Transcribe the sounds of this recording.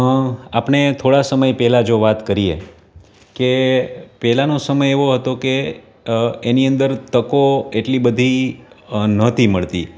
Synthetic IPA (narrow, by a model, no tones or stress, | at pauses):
apɳet̪ʰoɽasəməjpɛɦlad͡ʒoʋat̪kəɾijḛ | kepɛɦlanosəməjeʋoɦət̪oke | eniənd̪əɾt̪əkoeʈlibəd̪ʱi | nət̪ʰiməɭt̪ḭ